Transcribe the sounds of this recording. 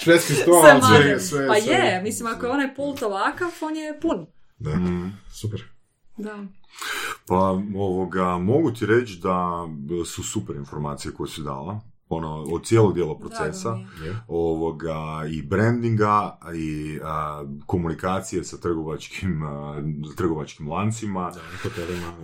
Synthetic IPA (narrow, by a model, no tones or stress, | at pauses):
sʋeskisɾomaesʋepajemislimakojeonajpulˠt̪oʋakafonjepun | d̪ah̩supeɾ | d̪a | paoʋoɡamo̞ɡut̪iɾet͡ʃd̪asusupeɾinfo̞ɾmaːt̪sijeko̞jesud̪a̰ːla | onood̪̚sjeloɡd̪jeːlˠopɾot̪se̞saoʋoɡaibɾend̪iŋɡaiəko̞munikaːt̪sijesat̪r̩ɡoʋat͡ʃkʰim | t̪r̩ɡo̞ʋat͡ʃkimlˠant̪simaakop̪elima